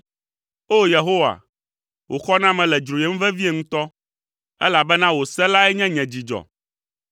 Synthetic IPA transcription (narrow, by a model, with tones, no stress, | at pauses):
o˦je˨ɦo˦wa̰˨ | wʔo˨xɔ˦nã˦mɛ̃˨lɛ˨d͡ʒɾo˨je˨˦m̩˦vɛ˦vi˦e˨ŋũ˦t̪ɔ˦ | ɛ̰˦la˨bɛ˦nã˦wo˨sɛ˦la˦ɛ˦ɲɛ̃˦ɲɛ̃˨d͡ʑi˨d͡ʒɔ̰˨